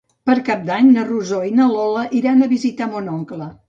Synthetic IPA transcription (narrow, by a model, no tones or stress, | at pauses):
pəɾkap̚d̪aɲnəruzoinəlɔləʔiɾanəβizit̪amonɔŋklə